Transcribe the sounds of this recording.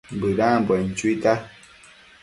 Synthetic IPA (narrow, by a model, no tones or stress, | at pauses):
mbədãːmbwɛn̩t͡ʃwita